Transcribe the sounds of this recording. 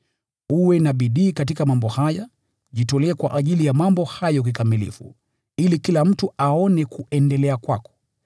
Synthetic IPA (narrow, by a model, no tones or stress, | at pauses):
uwɛnaɓiɗiːkatikamambɔhaja | ʄitɔlɛːkwa̰ʔaʄilijamambɔhajɔk̬ikamilḭfṵ | ilikilam̩tuaɔnɛkuʔɛndɛlɛakwa̰kɔ̥